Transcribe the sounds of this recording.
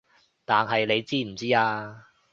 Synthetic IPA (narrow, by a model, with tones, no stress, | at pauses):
t̪aː˨nɦɐ˨jle˨˧jt͡siː˥m̩˨˩t͡siː˥aː˧